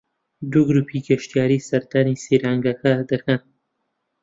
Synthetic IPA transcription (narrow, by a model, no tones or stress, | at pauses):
d̪uɡɾupʰiɡɐʃt̪jɑːɾisɐɾt̪anisiɾaŋɡakad̪ɐkan